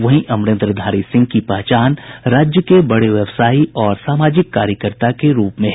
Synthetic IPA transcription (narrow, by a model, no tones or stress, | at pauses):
ʋɐɦĩʔɐmɾɪ̃nt̪ɾəd̪ʱaːɾisɪ̃ŋɡ̚kipɛːt͡ʃaːnɾaːd͡ʒjəkebɐɽeʋjɛʋsaːiɔːɾsaːmaːd͡ʒɪkːaːɾjəkəɾt̪akeɾuːpmẽɦ